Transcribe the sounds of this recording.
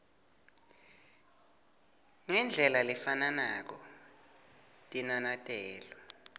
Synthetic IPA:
ŋɛnd͡ɮʱɛlalifananak̬ɔ | tʼinanatʼɛːlɔ

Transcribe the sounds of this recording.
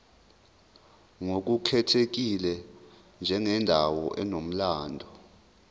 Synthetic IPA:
ŋok̬ukʰɛtʰek̬ilɛ | nd͡ʒʱɛŋɛndʱawɔ̰ʔɛnom̩laːndʱɔ

